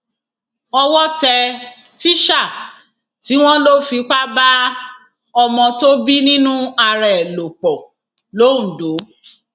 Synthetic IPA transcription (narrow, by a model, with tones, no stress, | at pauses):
ɔ˧wɔ˦tɛ˧ | ti˦ʃa˦˨ | ti˨˦w̃ɔ̃˦lo˦fi˨˧k͡pa˦ba˦ | ɔ˧mɔ̃˧to˦bi˦nĩ˦nũ˦a˧ɾɛ˨lo˨k͡pɔ˨ | lõ˨˦˨do˨˦